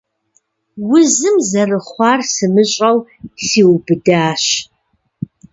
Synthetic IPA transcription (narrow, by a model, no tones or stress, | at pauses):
wʊzɨmzɐrɨχʷɑːrsɨmɨɕʼɐwsiːwbɨdaːɕ